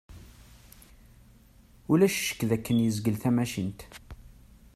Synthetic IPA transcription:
ulæʃʃə̥kːðækːənjəzɡəlθæmæʃint̪

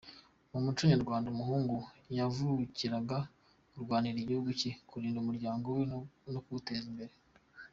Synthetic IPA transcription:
mumut͡ʃuɲaɾɡwaːndaumuhuːŋɡujavuɾuciɾaɡa | uɾɡwaːniɾeɟihuɡucikuɾiːndumuɾɟaːŋɡowenokuute̞ːzimbe̞ɾe

